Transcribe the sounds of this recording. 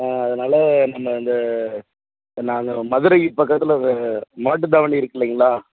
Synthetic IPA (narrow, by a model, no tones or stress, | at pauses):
aːɐðɐnaːlɐnɐmːɐɪnd̪ɐ | naːŋɡɐmɐðɯɾɐɪjɪpɐkːɐt̪ːɪlɐmaːʈ̬ːɯd̪ɐʋɐniɪɾɯkːɐliːŋɡɐɭaː